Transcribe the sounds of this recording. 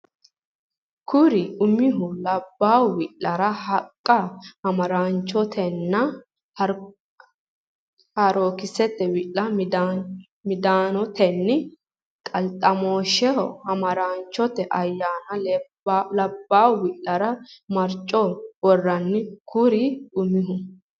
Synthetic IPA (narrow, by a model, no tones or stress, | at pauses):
kʰʊɾɪʊmɪɦʊlɐbːaːwwɪlːɐɾɐhɐkʼːɐhɐmɐɾaːnt͡ʃːɔt̪ʰɛnːɐ | hɐ | hɐɾoːkɪsɛt̪ːɛwɪlːɐd̪ | mɪd̪aːnɔt̪ɛnːɪ | kʼɐlt̪ʼːɐmoːʃɛɔhɐmɐɾaːnt͡ʃːɔt̪ɛʔɐjːaːnɐl | lɐbːaːwwɪlːɐɾɐmɐɾt͡ʃʼɔwɔrːɐnːɪkʰʊɾɪʊmɪɦʊ